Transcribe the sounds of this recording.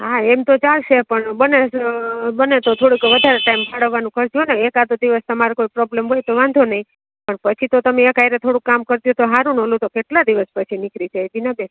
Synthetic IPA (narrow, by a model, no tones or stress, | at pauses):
ɦaemt̪ot͡ʃalʃepəɳbəne | bənet̪ot̪ʰoɽikʋəd̪ʱaɾeʈaimpʰaɽ̤əʋːanũkʰəɾt͡ʃoneekat̪od̪iʋəst̪əmaɾokoipɾɔblemɦojt̪oʋãnd̪ʱonəɦĩ | pəɳpət͡ʃʰit̪ot̪əmeəkajɾet̪ʰoɽukːamkəɾt̪jut̪oɦaɾunɦolũt̪okeʈlad̪iʋəspət͡ʃʰinikʰɾit͡ʃʰed͡ʒinabes